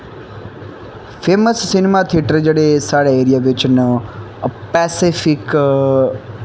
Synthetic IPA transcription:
fʰeːməsːinmat̪ʰiʈəɾd͡ʒeɽesaːɽeeːɾijaʋɪt͡ʃnə | pɛːsifʰɪk

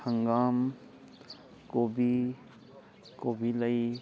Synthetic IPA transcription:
hə̃ŋɡaːm | koːbʱi | koːbʱiləi

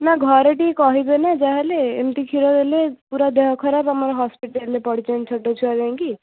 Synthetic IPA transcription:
naɡʱɔɾeʈikɔɦibenad͡ʒaɦeleḛmt̪ikʰiɾɔɾelepuɾad̪eɦɔkʰɔɾabamaɾɦɔspiʈeɾːepɔɽ̤it͡ʃent͡ʃʰɔʈet͡ʃʰuad͡ʒãŋki

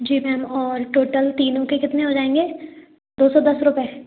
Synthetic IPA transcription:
d͡ʒiːmɛ̃ɦɐmɔːɾʈoːʈəlt̪iːnõkekɪt̪nẽɦod͡ʒaːẽːŋɡeː | d̪oːsɔd̪ɐsɾʊpɛː

